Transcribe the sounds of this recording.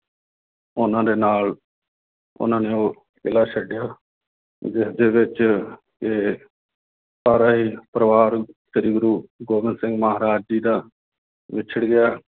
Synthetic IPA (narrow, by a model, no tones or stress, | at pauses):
ʊnãːd̪eːnaːl | ʊ̰nãːneːoː | pɪlaːt͡ʃʰəɖɪjaː | d͡ʒɪsd̪eːʋɪt͡ʃ | eː | saːɾaːɦiːpɾəʋaːɾʃɪɾiːɡɾuːɡoːʋɪnsɪŋɡməɦaːɾaːd͡ʒd͡ʒiːd̪aː | ʋɪt͡ʃʰəɽɡɪjaː